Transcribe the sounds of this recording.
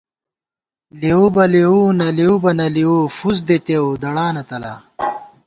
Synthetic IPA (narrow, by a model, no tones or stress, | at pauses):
leubɐleuːnɐleubɐnɐliufuz̬d̪et̪ewd̪ɐɽaːnɐt̪ɐla̰